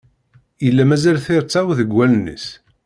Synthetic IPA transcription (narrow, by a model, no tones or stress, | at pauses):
jəlːæmæzælθɪɾt͡sːawðəɡʷːælnə̰s